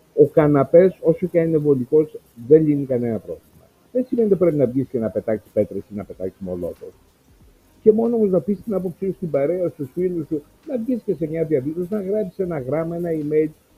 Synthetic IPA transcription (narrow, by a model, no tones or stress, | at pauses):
o̞kɐnɐpe̞so̞socɐinevo̞liko̞z | ðe̞nʎinikɐne̞nɐpɾo̞̰vlimɐ̰ | ðensimenit̪ipɾe̞pinɐvʝiscenɐpe̞t̪ɐki̥spe̞t̪ɾesinɐpe̞t̪ɐki̥smo̞̰lo̞̰t̪o̰s | ce̞mo̞noomoznɐpist̪inɐpo̞psiust̪ibɐɾe̞ɐst̪usfilust̪u | nɐvʝisce̞se̞mɲɐviɐvisosnɐɣɾɐpsi̥se̞nɐɣɾɐmɐe̞nɐimejl